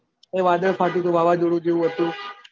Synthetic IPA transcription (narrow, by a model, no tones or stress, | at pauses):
eʋad̪əɭpʰat̪̬it̪ũʋʱaʋad͡ʒoɽũd͡ʒeʋũɦət̪ũ